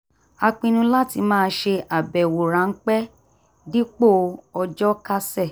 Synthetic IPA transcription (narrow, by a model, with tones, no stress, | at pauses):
a˧k͡pĩ˧nũ˧la˦ti˧mãː˦˧˦ʃe˧ʔa˨bɛ˨wo˨ɾã˨˦ŋ̩˦k͡pɛ˦ | di˦k͡po˦˨ɔ˧d͡ʒɔ˦ka˦sɛ˦˨